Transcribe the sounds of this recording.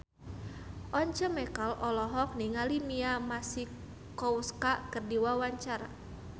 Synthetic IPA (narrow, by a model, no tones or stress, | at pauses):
ʔɔɲt͡ʃəmɛkalɔlɔɦɔk̚niŋalimiamasi | kɔuskakərdiwawaɲt͡ʃaɾa̰